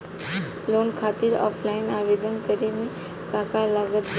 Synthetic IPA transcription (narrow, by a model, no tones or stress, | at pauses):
loːnkʰaːt̪iɾɔ̰ːpʰlaːɪnaːʋeːd̪ənt̪əɾimẽ | kaːkaɾlaɡət̪